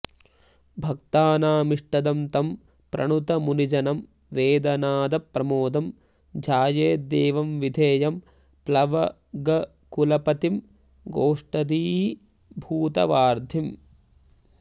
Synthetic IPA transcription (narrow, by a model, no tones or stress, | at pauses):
bʱɐkt̪aːnaːmiʂʈɐd̪ɐmt̪ɐm | pɾɐ̰ɳut̪ɐmunid͡ʒɐnɐm | ʋeːd̪ɐnaːd̪ɐpɾɐmoːd̪ɐm | d͡ʒʱaːjeːd̪eːʋɐmʋid̪ʱeːjɐm | plɐʋɐ | ɡɐ | kulɐpɐt̪im | ɡoːʂʈɐd̪iːɦi | bʱuːt̪ɐ̰ʋaːɾd̪ʱim